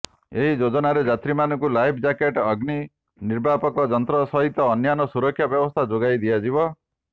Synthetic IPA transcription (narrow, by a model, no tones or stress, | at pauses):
eɦid͡ʒod͡ʒɔnaɾed͡ʒat̪ɾimanɔŋkulajpʰd͡ʒakeʈɔɡni | niɾbʱapɔkɔd͡ʒɔnt̪ɾɔsɔɦit̪ɔːnjanɔsuɾɔkʰːjabjɔbɔst̪ʰad͡ʒoɡajd̪ijad͡ʒibɔ